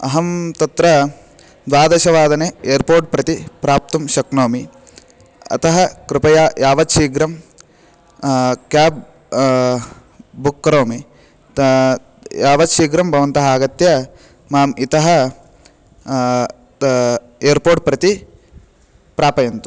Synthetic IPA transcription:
ɐɦɐmt̪ɐt̪ɾɐ | d̪ʋaːd̪ɐʃɐʋaːd̪ɐneːeːɾpoːɾʈ̚pɾɐt̪ipɾaːp̚t̪ɐmʃɐknoːmi | ɐ̰t̪ʰɐɦɐkɾɪpɐjajaːʋɐt̪ʃiːɡɾɐm | kjaːp̚ | bukːɐɾoːmi | jaːʋɐt̪ʃiːɡɾɐmbʱɐʋɐnt̪ɐɦaːɡɐt̪jɐ | maːmit̪ɐɦɐ | eːɾpoːɾʈ̚pɾɐt̪i | pɾaːpɐjɐnt̪u̥

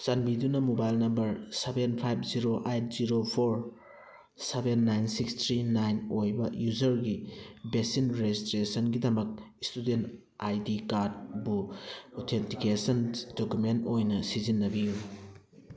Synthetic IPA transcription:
sanbidunɐmobajlnɐmbɐɾsebenpʰajbʰziɾoʔejt̚ʰziɾopʰoɾ | sebenːajnsikstʰɾinajnojbɐjuzɐɾɡibesinɾezistɾesɐnɡidɐmɐk̚istudent | ajdikaɾd̚buotʰentikesɐndokjumentojnɐsizinːɐbiju

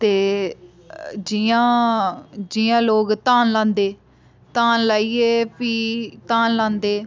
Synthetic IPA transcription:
t̪eː | d͡ʒiãː | d͡ʒiːãːloːɡt̪aːnlãːnd̪eː | t̪aːnlaːiːeːpiːt̪aːnlãːnd̪eː

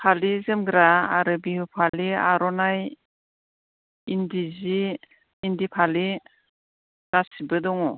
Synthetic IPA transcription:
pʰalizɯmɡɾaːɾɯbihupʰaliaɾɔnaj | indiziː | ndipʰali | ɾasibɯdɔŋɔ

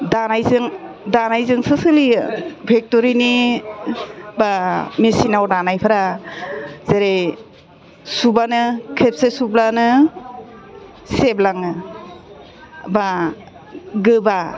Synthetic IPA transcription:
danajzɯŋ | danajzɯŋsɯsɯlibʱek̚toɾini | bamesinawdanajpʰaɾa | z̥eɾe | subanɯkʰep̚sesublanɯ | seblaŋɯ | ba | ɡɯba

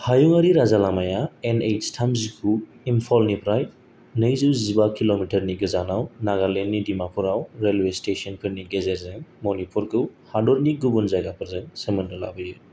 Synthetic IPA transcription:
hajuŋaɾiɾazalamajaenejstʰamzikʰuimpʰɔlnipʰɾaj | nɯjzɯwzibakʰilomitʰɐɾniɡɯzanawnaɡalenːidimapʰuɾawɾelwestesɔnkʰɯɾniɡezeɾzɯŋmonipʰuɾkʰɯwhadɔɾniɡubunzaɡapʰɯɾzɯŋsɯmɯndɯla̰bɯjɯ

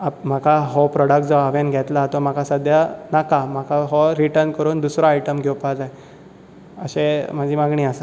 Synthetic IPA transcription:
apm̤akʰaɦɔpɾɔɽək̚ʈd͡zɔaʋenɡʱɛt̪lat̪om̤akʰasəd̪ʱjanakam̤akʰaɦɔɾiʈəɾnkəɾuːnd̪usɾaajʈəmɡʱewpad͡zaj | əɕem̤əd͡ʑiːmaɡɳiːəsə

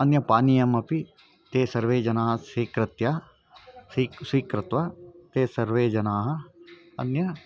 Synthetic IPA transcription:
ɐnjɐpaːnijɐmɐpi | t̪eːsɐɾʋeːd͡ʒɐnaːɦsiːkɾɪt̪ja | isʋiːkɾɪt̪ʋat̪eːsɐɾʋeːd͡ʒɐnaːɦɐ | ɐ̰njɐ

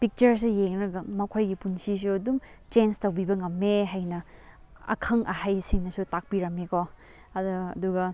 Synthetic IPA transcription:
pik̚t͡ʃɐɾs̬ejeŋnɐɡɐmɐkʰojɡipunsis̬uɐdum | t͡ʃenstɐwbibɐŋɐmːeɦajnɐ | ɐ̰kʰɐŋʔɐhajsiŋnɐsutak̚piɾɐmeko | ɐd̰ːduɡɐ

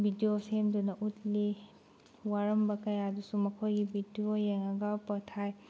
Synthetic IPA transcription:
bʱidijosemdunɐʔutli | waɾɐmbɐkɐjadusumɐkʰojɡibʱidiojeŋɐɡapɐtʰaj

